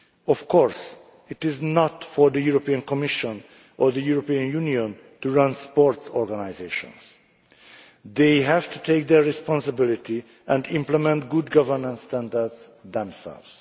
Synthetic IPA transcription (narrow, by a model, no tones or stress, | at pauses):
ɔfkʰɔɹs | ɪt̪ɪznɔt̪fɔɹd̪əjuɾopiə̃nkʰɔmiʃɔ̃n | ʔɔɹd̪əjuɹopiːə̃njuniɔ̃n | t̪uɹʌ̃nspɔɹtsɔɹɡanajzeʃɔ̰̃ns | ðejɦævt̪ut̪ʰek̚d̪ɛɹɹɛspɔ̃nsəbɪlit̪i | ʔɛ̃ndɪ̃mplɛmɛ̃nt̚ɡud̪ɡʌvəɾnə̃nst̪æ̃nd̪ədsðɛ̃msɛ̰lvs